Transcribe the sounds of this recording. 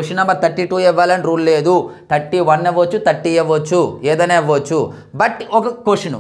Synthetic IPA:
koʂinɐmɐɾt̪ɐʈːiʈuːɛʋːaːlɐniɾuːlleːd̪ut̪ɐʈːiʋɐnːeʋot͡ʃːut̪ɐʈːijeʋot͡ʃːueːd̪ɐneːʋot͡ʃːu | bɐʈɔkɐkoʂinṵ

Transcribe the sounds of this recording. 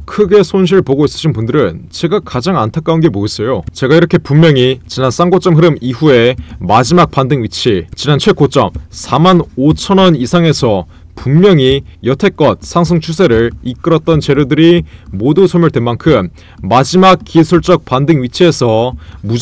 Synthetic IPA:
kʰɯɡe̞sʰonɕ̬ʰiɭpoɡois͈ɯ̥ɕʰinbundɯɾɯnt͡ɕe̞ɡakad͡ʑaŋantʰak͈aunɡe̞moes͈ʌjot͡ɕe̞ɡaiɾʌkʰe̞pumːjʌŋit͡ɕinans͈ʰaŋɡot͡ɕ͈ʌmɦɯɾɯmiɸue̞mad͡ʑimak̚p͈andɯŋɥit͡ɕʰit͡ɕinant͡ɕʰwe̞k͈ot͡ɕ͈ʌmsʰamanot͡ɕʰʌnʌnisʰaŋe̞sʰʌ | pummjʌŋijʌtʰe̞k͈̚ʌt̚sʰaŋs̬ʰʌŋt͡ɕʰusʰe̞ɾɯɭik͈ɯɾʌt̚t͈ʌnt͡ɕe̞ɾjudɯɾiːodusʰʌmjuɭdwe̞nmankʰɯmː | ad͡ʑimak̚k͈ːisʰuɭt͡ɕ͈ʌk̚p͈andɯŋɥit͡ɕʰie̞sʰʌmu

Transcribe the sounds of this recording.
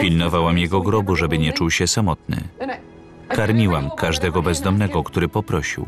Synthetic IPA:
pʲilnɔvawamjɛɡɔɡɾɔbuʐɛbɘɲɛt͡ʂuwɕɛsamɔt̪̚nɘ̰ | kaɾmʲiwamkaʐd̪ɛɡɔbɛzd̪ɔmnɛɡɔkt̪uɾɘpɔpɾɔɕḭw

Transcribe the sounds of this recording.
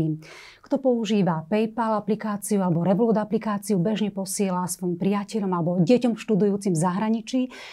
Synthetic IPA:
i | kt̪ɔpɔuʒiːʋapɛjpalaplikaːt͡siualɛbɔɾɛʋlɔːd̪aplikaːt͡siubɛʒɲɛpɔsɪɛlaspɔimpɾɪjacɛʎɔmalɛbɔɟɛcɔmfʃt̪ud̪ujuːt͡simzaɦɾaɲit͡ʃiː

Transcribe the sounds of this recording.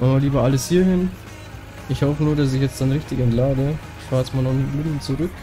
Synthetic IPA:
ʔamaːliːbɐʔaləshiːɐhɪn | ʔɪçhɔfənuːɐdas̬ɪçjɛt͡std̥anʁɪçtɪçɛntlaːdəɪçfaːʁjɛt͡smaːlnɔχbɪdl̩t͡suʁʏk

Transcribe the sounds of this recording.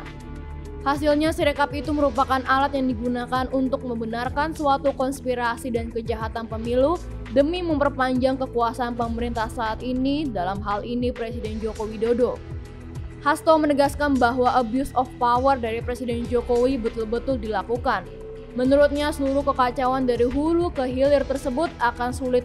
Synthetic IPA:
hasilɲasiɾekapit̪uməɾupakanʔalat̪̚jaŋdiɡunakanʔunt̪ʊk̚məmbənarkansuat̪ukɔnspiɾasidankəd͡ʒaɦat̪anpəmilu | dəmiməmpərpaɲd͡ʒaŋkəkuasaːnpəməɾint̪ahsaːt̪inidalamɦalinipɾesidɛnd͡ʒokowidodo | hast̪ɔmənəɡaskanbaɦwaʔəbjusɔfpawərdaɾipɾesidɛnd͡ʒokowibət̪ʊlbət̪ʊldilakukan | mənuɾut̪̚ɲasəluɾʊhkəkat͡ʃawandaɾiɦulukəɦilɪrt̪ərsəbʊt̪̚akansulɪt̪̚

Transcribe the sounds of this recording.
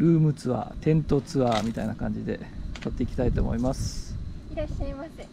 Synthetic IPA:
ɾɯ̟ːmɯ̟t͡sɨβa̰t̪ẽ̞nt̪o̞t͡sɨβamʲit̪ainakãɲ̟d͡ʑid̪e̞̰t̪at̪ːe̞ikʲi̥t̪ait̪o̞ːmo̞̰imasɨ̥ | aa

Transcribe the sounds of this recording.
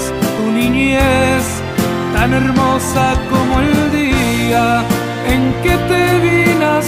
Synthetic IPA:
suniɲes | t̪aneɾmosakomoeld̪ia | eŋket̪eβinas

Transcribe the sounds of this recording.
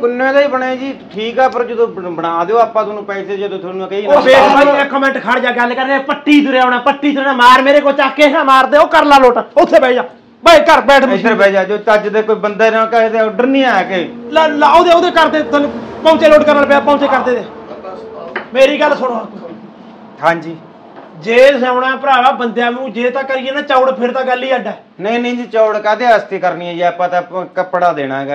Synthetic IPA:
kʊnːẽːt̪aːiːbəɳeːd͡ʒiːʈʰiːkɛːpəɾd͡ʒəd̪õːbəɽaːd̪eoːaːpːãːt̪ʰoːnũːpɛːseːd͡ʒod̪õːt̪ʰonũkəiːnːbeːɛːkəmɛ̃ːɳʈkʰəɽd͡ʒaːɡəlːkəɾneːpəʈːiːt͡ʃʊɾɛːoːnaːpəʈːiːt͡ʃʊɾɛ̃ːaːmaːɾmeːɾeːkoːlt͡ʃaːkːeːɦãːmaːɾd̪eːoːkəɾlaːloːʈaːʊt̪ʰːeːbɛːd͡ʒaː | bəikəɾbɛːʈʰeeːbɛːd͡ʒaːd͡ʒoːt͡ʃəd͡ʒd̪eːkoːiːbənd̪aːɾõːkat̪eːɖəɾnĩːaːɛkelaːlaːod̪eːod̪eːkəɾd̪eːt̪põːt͡ʃeːloːʈkəɾnəlpeːaːpɔ̃ːt͡ʃeːkəɾd̪eːd̪eː | meːɾiːɡəlːsʊɽo | tʰãːnd͡ʒiː | d͡ʒeːsɛːʊɽãːpəɾaːɽaːbənd̪jaːʋũːd͡ʒeːt̪ãːkəɾijeːnãːt͡ʃaːɽpʰɪɾt̪ãːɡəlːiːəɖɛː | nə̃ĩːnə̃ːd͡ʒiːt͡ʃaːʊɽkɛːt̪eəst̪iːkəɾniːaːiːəpãːt̪ãkəpɽaːd̪eːɽ̃aːɡ

